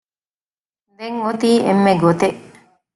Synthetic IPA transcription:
d̪eŋot̪iːʔemːeɡot̪eʔ

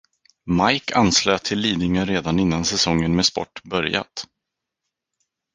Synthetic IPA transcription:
majkʰansløːt̪ʰɪlːiːd̪nɪŋənɾeːd̪anɪnːansɛsɔŋːənmɛspɔ̰ʈːbœɾja̰t̪

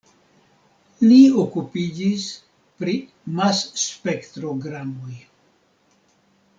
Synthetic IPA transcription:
liokupid͡ʒis | pɾi | masːpekt̪ɾoɡɾamoj

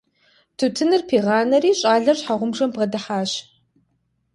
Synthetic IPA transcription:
tʰutʰɨnɨrpʰiːʁɑːnɐɾiːɕʼaːɮɐrɕħaʁʷʊmʐɐmbʁɐdɐħaːɕ

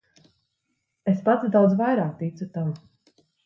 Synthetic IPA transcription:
espat̪d̪awd̪zvajɾaːk̚t̪it̪sut̪avu

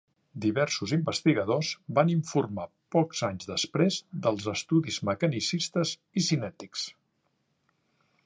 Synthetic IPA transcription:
d̪iβɛɾsuzimbəst̪iɣəðozbaniɱfurma | pɔkz̥aɲzðəspɾezd̪əlˠzəst̪uðizməkənisist̪əz | isinɛt̪iks

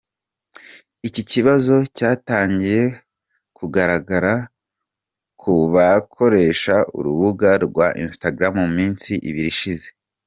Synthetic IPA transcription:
iciciβazo̞caːtaːɲɟije̞ | kuɡaɾaɡaɾa | kʰuβakʰo̞ɾe̞ʃaṵɾuβuɡaɾɡwaʔinstaɡɾamuumiːnsiʔḭβiɾiʃize̞

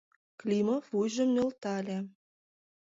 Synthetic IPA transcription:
klʲimofujʒə̆mnølt̪ɑlʲe

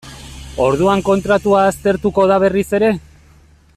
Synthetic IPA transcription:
o̞ɾðuaŋko̞nt̪ɾat̪uaːst̪e̞ɾt̪uko̞ð̞aβ̞e̞rise̞ɾe̞

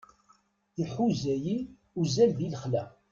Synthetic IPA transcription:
jəlħuzæji | uzælðiləχlæ

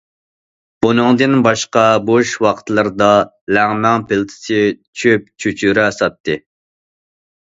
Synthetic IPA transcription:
bunɨŋd̪ɨnbɑʃqɑboʃwɑqʰt̪lˠɨɾd̪ɑ | læŋmæŋpɪlt̪ʰɪ̥sɪt͡ʃʰøp̚t͡ʃʰyt͡ʃʰyɾɪæsɑt̪ʰːɨ

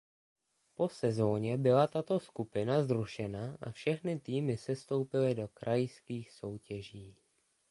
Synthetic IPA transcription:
po̞sɛzo̞ːɲɛbɪlat̪at̪o̞skupɪnazɾuʃɛnaʔa̰fʃɛxnɪt̪iːmɪsɛst̪o̞wpɪlɪdo̞kɾʔajɪskiːxso̞wcɛʒiː

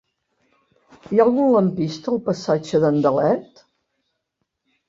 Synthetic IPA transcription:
ijalˠɣunləmpist̪əːlˠpəsad͡ʒəðənd̪əlɛt̪

